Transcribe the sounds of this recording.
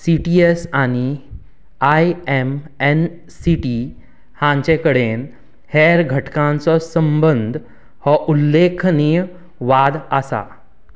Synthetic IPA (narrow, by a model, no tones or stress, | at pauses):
siʈiesañi | ajemen | siʈi | hãɲt͡ɕẽkəɽen | heɾɡʱəʈkãnt͡sɔsəmbənd̪ʱ | hɔʔulːekʰni | ʋad̪əsa̰